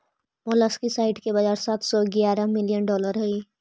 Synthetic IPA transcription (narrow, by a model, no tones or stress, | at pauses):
moləskisaːɪʈkebad͡ʒaːɾsaːt̪ʰsɔɡjaːɾamɪlijənɖɔːləɾɦʊiː